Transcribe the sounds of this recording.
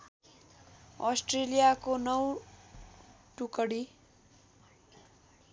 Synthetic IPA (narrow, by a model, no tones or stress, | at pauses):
ʌsʈrelijakonʌw | ʈukʌɽi